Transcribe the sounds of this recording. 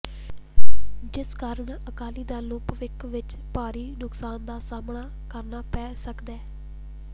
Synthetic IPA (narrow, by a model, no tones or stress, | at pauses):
d͡ʒɪskaːɾəɳəkaːliːd̪aːloːpʋɪkʋɪt͡ʃ | paːɾiːnʊksaːnd̪aːsaːmɳaː | kəɾnaːpɛːsəkd̪ɛː